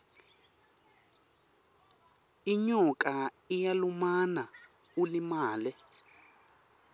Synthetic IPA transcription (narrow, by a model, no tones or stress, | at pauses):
iɲɔka | ijalumana | ulimaːlɛ